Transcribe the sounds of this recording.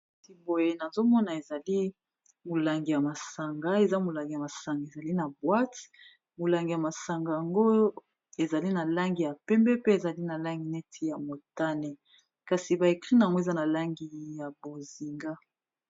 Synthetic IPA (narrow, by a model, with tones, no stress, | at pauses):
ti˨bo˨je˨na˨zo˦mɔ˦na˨e˨za˨li˦ | mo˨la˨ŋɡi˨ja˨ma˨sa˨ŋɡa˦e˨za˦mo˨la˨ŋɡi˨ja˨ma˨sa˨ŋɡa˨e˨za˨li˦na˨bwa˦t | mo˨la˨ŋɡi˨ja˨ma˨sa˨ŋɡa˨ja˨ŋɡo˦ | e˨za˨li˦na˨la˦ŋɡi˨ja˨pɛ˦mbɛ˦pe˦e˨za˨li˦na˨la˦ŋɡi˨nɛ˦tʰi˨ja˨mo˨ta˦ne˨ | ka˨si˨ba˨e˨kʁi˦na˨ŋɡo˦e˨za˦na˨la˦ŋɡi˨ja˨bo˨zi˨ŋɡa˦